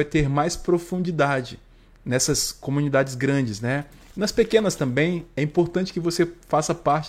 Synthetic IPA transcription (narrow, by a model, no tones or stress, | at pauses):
ajt̪eɾmajspɾofũd͡ʒid̪ad͡ʒɪ | nɛsɐskõmũnid̪ad͡ʒɪzɡɾɐ̃d͡ʒɪznɛ | nɐspekẽnɐst̪ɐ̃mbẽj̃ɛĩpoɾt̪ɐ̃nt͡ʃɪ̥kɪvosefasɐpaɾt͡ʃ